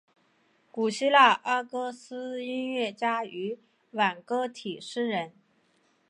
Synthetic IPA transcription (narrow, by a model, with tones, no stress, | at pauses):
ku˨˩ɕi˥la˥˩ʔɑ˥kɤ˥sɹ̩˥i˥nɥɛ˥˩t͡ɕja˥y˧˥ | wa˨˩nkɤ˥t̪ʰi˨˩ʂɻ̩˥ɻə˧˥n